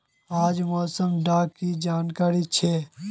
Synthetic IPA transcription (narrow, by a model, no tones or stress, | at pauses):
aːd͡ʒmɔːsəmɖaːkkid͡ʒaːnkaːɾit͡ʃʰeː